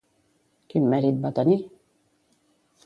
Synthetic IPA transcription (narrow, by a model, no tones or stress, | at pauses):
kimːæɾid̪̚bat̪ani